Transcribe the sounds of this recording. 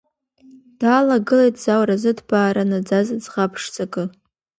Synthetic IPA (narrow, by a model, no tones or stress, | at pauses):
d̥aːlaɡɨlejtʰʼz̥awrazɨdbaːɾanad͡zazɨd͡zʁapʰʂt͡sʼakʼɨ